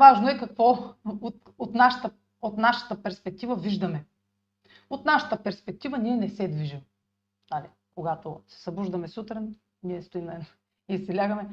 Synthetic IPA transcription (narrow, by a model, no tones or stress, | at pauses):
vaʒnoɛkɐkvɔot̪ | ot̪naʃɐ̥t̪ə | ot̪naʃə̥t̪əpɛɾspɛk̚t̪ivəviʒd̪ɐmɛ | ot̪naʃɐ̥t̪əpɛɾspɛk̚t̪ivəniɛnɛsɛd̪viʒim | ali | koɡat̪osɛ̥sɐbuʒd̪ɐmɛsut̪ɾɛn | niɛst̪oimnɛo | isɛlʲaɡɐmɛ